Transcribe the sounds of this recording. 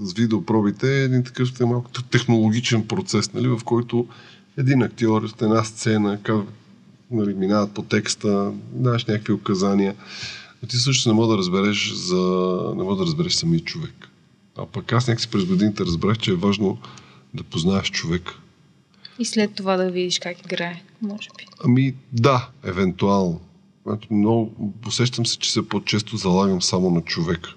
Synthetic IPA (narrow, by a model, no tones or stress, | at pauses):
səsvid̪ɛopɾɔbit̪ɛːd̪int̪ɐ̥kɤft̪malˠkʊ̥t̪ɛxnolˠoɡ̟it͡ʃɛnpɾot̪sɛsnɐlivɐfkɔjt̪ʊ | ɛd̪inɐk̚t̪iɔɾot̪ɛnast̪sɛnəkav | nɐliminavɐt̪̚pot̪ɛkst̪əmnaɛʃnʲakəkviʊkɐzaniəot̪isɤʃ̬nosnɛmɔd̪ɐɾəzbɛɾɛʃzɐnɛ̰mɔd̪ɐɾəzbɛɾɛʃsɐmiət͡ʃovɛk | ɐ̰pɐkasnʲakəksi̥pɾɛzɡod̪init̪ɛɾɐzbɾaxt͡ʃɛːvaʒnod̪ɐpoznaɛʃt͡ʃovɛk | islɛt̪ːovad̪ɐvid̪iʃkakiɡɾaɛ | mɔʒɛ̥b̥i̥ɐmid̪aɛvɛnt̪ualˠno | a̰t̪mnɔɡʊposɛʃt̪əmsɛ̥t͡ʃɛ̥sɛpot͡ʃɛst̪ʊzɐlˠaɡəmsamonɐt͡ʃovɛk